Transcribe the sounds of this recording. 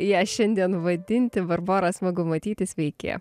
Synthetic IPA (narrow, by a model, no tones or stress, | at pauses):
jiːʃʲɛnʲd̪ʲiɛnʋɐd̪ʲɪnʲt̪ʲɪbɐɾboːɾɐsmoɡʊmɐt̪ʲiːt̪ʲɪsʋʲɛɪkʲḛːjɛ̰